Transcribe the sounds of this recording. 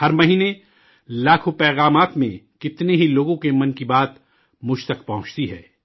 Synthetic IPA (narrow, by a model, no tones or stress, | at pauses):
hɐɾmɐɦiːne | laːkʰopɛːɣaːmaːt̪mḛ̃kɪt̪neɦiloːɡõkemɐ̃nkibaːt̪ | mʊd͡ʒt̪ɐkpɐɦʊ̃t͡ʃt̪iɦɛ̰ː